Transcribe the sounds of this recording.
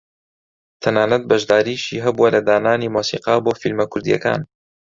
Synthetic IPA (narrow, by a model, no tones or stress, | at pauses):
t̪ʰɐnaːnɐt̪̚bɐʒd̪aːɾiːʃiːɦɐbuwɐlɐd̪aːnaːniːmoːsiːqɑboːfilmɐkʰʊɾd̪ijɛ̰ka̰ːn